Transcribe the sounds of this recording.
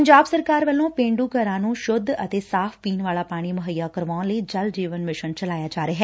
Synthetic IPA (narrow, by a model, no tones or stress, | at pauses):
əɲd͡ʒaːbsəɾkaːɾʋəlːõːpẽːɳɖuːkəɾãːnũːʃʊd̪ʱːət̪eːsaːpʰpiːnʋaːlaːpaːɽ̃iːmʊɦəjːaːkəɾʋaːnləiːd͡ʒəld͡ʒiːʋənmɪʃənt͡ʃəlaːjaːd͡ʒaːɾeːɦɛː